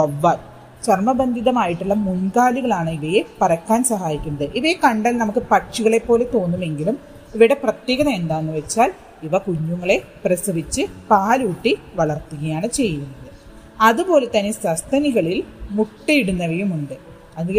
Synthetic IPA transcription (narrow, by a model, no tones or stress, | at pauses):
ɐʋːaːt | t͡ɕɐrmɐbɐnd̪ʱiðɐmaːjiʈːuɭːɐmunkaːliɣɐɭaːɳɨiʋɐjepɐɾɐkːaːnsɐɦaːjikʲːunːɐðɨʔiʋɐjekɐɳɖɐlnɐmukːɨpɐʈt͡ɕiɣɐɭe̞pːo̞ːlet̪o̞ːnːume̞ŋɡilum | iʋiɽɐprɐt̪jeːɣɐnɐmend̪aːnːuʋet͡ɕːaːl | iʋɐkuɲːuŋːɐɭe̞prɐsɨʋit͡ɕːɨpaːluːʈːiʋɐɭɐrt̪ːuɣɐjaːɳɨt͡ɕe̞jːunːɐðɨ | ɐðubo̞ːlet̪ɐnisɐst̪ʰɐniɣɐɭilmuʈːiiɽunːɐʋɐjumuɳɖɨ | ɐðu